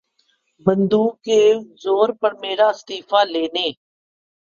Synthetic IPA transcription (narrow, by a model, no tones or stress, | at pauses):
bənd̪uːkːeːzoːɾpəɾmeːɾaːst̪iːfʰaːleːneː